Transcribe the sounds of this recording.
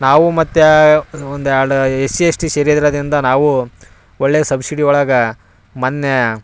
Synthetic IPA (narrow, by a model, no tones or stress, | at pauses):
naːʋumɐt̪ːeond̪uaɭuesiesʈiseːɾjɐd̪iɾɐːd̪ɾind̪ɐnaːʋu | ɔɭːeːsɐbsiɽiɔɭaːɡɐ | mɐnːjɐ